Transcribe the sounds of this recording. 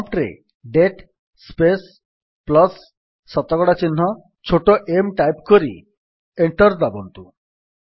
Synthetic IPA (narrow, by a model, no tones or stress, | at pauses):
pʈɾḛ | ɖeʈ | spes | plɔsː | ɔt̪ːɔɡɔɽat͡ɕinːɔ | t͡ɕʰoʈoʔemʈajpkoɾḭ | eɳʈɔɾd̪ɔbont̪u